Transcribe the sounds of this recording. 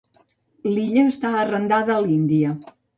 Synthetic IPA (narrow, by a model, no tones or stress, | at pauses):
liʎəːst̪aərənd̪aðəːlind̪iə